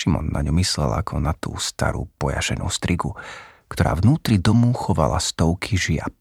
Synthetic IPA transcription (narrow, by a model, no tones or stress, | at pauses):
ʃimɔ̰nːa̰ɲumislɛla̰kʰɔnat̪uːst̪a̰ɾṵːpɔja̰ʃɛnʔuːst̪ɾiɡu | kt̪ɔɾaːvnuːt̪ɾid̪ɔmuxɔʋalast̪ɔʊkʰiʒɪa̰p